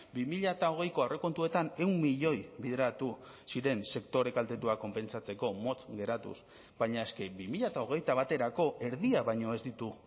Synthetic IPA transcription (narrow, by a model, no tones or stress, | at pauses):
bimiʎat̪ao̞ɣ̞e̞jkoawre̞ko̞nt̪ue̞t̪ane̞wnːiʎo̞jβiðeɾat̪u | siɾe̞nse̞kt̪o̞ɾe̞kalt̪e̞t̪uako̞mpe̞nsat͡se̞ko̞mo̞t͡sɡe̞ɾat̪ṵs | bajɲae̞ske̞bimiʎat̪ao̞ɣ̞e̞jt̪aβ̞at̪e̞ɾako̞ʔe̞ɾðiaβajɲo̞e̞zd̪it̪u